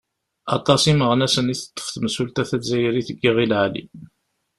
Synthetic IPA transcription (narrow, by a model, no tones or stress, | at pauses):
ɑ̰t̪ˤɑsiməʁnæsəniθə̥t̪ˤːə̥fθməsult̪æθæzæjəɾiθəɡːiʁilʕalḭ